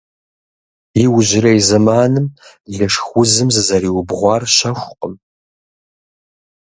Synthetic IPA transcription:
jiwʊʑɪɾɐizɐmaːnɨm | ɮɐʂxʷʊzɨmzɨzɐɾiːwʊbʁʷɑːrɕɐʃʷqʼəm

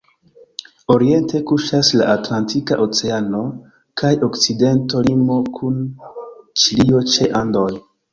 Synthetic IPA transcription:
o̞ɾie̞ntʰe̞kuʃasla̰ʔatlantikaʔot͡se̞ano̞ | kajo̞kt͡side̞nto̞limo̞kʰun | t͡ʃilio̞t͡ʃe̞ʔando̞j

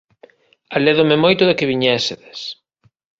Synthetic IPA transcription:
aleðomɪmojt̪ʊðɪkɪβiɲɛsɪðɪs

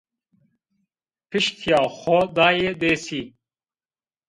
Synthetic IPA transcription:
piʃt̪ʰjaːxod̪aːjed̪esi

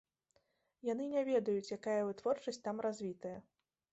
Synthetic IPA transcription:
jan̪ɨnʲɛvʲɛd̪ɐjut͡sʲjakajɐvɨt̪vɔrt͡ʂɐsʲtʲt̪amɾazʲvʲit̪ɐjɐ

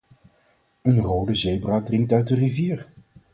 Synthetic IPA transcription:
ənrowdəzejbraːdrɪŋk̚tœɥt̚dəriviːɹ

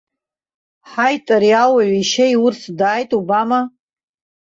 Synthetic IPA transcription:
ħajtʼaɾiawaɥʷiʃejʊrsʰdaːjtʼubama

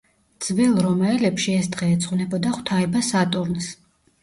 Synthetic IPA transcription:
d̪z̥vɛlˠɾɔmaɛlɛpʃiɛsd̪ʁɛːt̪sʰʼχvnɛbɔd̪aχwt̪ʰaɛbasat̪ʼuɾns

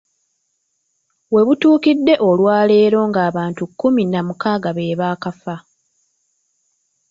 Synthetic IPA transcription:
βwe̞βutuːkidːe̞ʔo̞lwaːle̞ːɾo̞ːŋɡaːβaːntukːuminamukaːɡaβe̞ːβaːkafa

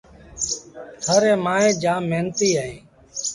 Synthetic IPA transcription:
t̪ʰəɾeːmãːẽːd͡ʒaːmːeːnt̪iːaːɦẽː

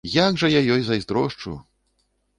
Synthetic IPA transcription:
jaɡʐɐjajɔjzɐjzd̪ɾɔʂt͡ʂṵ

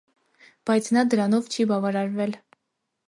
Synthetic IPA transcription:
b̥ɑjt͡sʰnɑd̪əɾɑnɔvt͡ʃʰibɑvɑɾɑɾvɛl

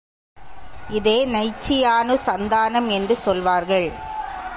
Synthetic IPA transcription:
ɪðeːnɐɪt͡ʃːɪjaːnɯsɐnd̪aːnɐmɛndrɯsɔlʋaːɾɣɐɭ

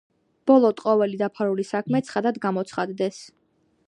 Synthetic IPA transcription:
b̥ɔlˠɔt̪ʼqʼɔvɛlid̪apʰaɾulisakʰmɛt̪sʰχad̪ad̪ɡamɔt̪sχad̪d̪ɛs

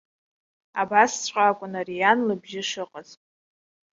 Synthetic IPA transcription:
a̰bast͡sʷʰʼqʼaːkʷʼʊnarijanlɨbʒɪʂɨqʼazʼ

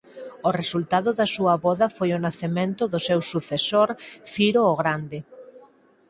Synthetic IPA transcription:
ʊresult̪aðʊðɐsuɐβɔðɐfojʊnaθemẽnt̪ʊðʊsewsuθesoɾfiɾoːɣɾand̪ɪ

